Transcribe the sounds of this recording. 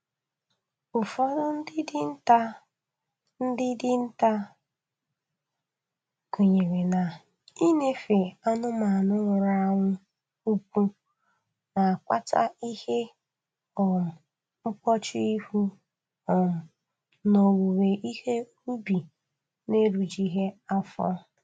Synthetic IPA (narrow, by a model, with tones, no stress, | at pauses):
ʊ˨fɔ˦ɾʊ˦n̩˦dɪ˦dɪ˦n̩˦ta˦ | n̩˦dɪ˦dɪ˦n̩˦ta˦ | ku˨ɲe˨ɾe˨na˨ | i˦ne˦fe˨a˦nʊ˦ma˨a˨nʊ˦ŋʷʊ˨ɾa˦˨ŋʷʊ˦ | u˦kʷu˦ | na˨a˨kʷa̰˦tʰa̰˦i˦he˦ | ɔ˨m̩˨ | ʊ˦kʷɔ˦t͡ʃɪ˦i˦hu˦ | ɔ˨m̩˨ | no˨wu˨we˨ʔi˦he˦ | u˦bi˨ | ne˦ɾu˨d͡ʒi˦ɦe˦a˦fɔ̰˦